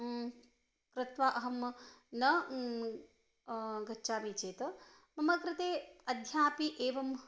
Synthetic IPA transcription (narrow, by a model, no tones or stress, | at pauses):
kɾɪt̪ʋaːʔɐɦɐmnɐ | ɡɐtːt͡ʃaːʋiːt͡ʃeːt̪ɐ | mɐmɐkɾɪt̪eːɐd̪ʱjaːpiʔeːʋɐm